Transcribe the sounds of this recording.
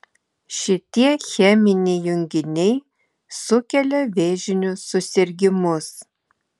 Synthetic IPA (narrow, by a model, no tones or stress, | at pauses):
ʃʲɪt̪ʲiɛxʲɛmʲɪnʲɛjʊŋʲɡʲɪnʲɛɪ | sʊkʲɛlʲɛʋʲeːʒʲɪnʲʊsʊsʲɪɾʲɡʲɪmʊs